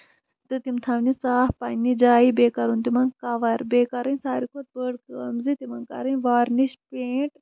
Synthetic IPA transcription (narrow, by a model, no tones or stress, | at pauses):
t̪ɨt̪imt̪ʰaʋnisaːhpɐnʲːid͡ʒaːibeːkɐɾunt̪imɐŋkɐʋɐɾbeːkɐɾɐnʲsaːɾikʰot̪̚bəɽkəːmzit̪imɐŋkɐ̰ɾɨnʋaːɾniʃpeːʈ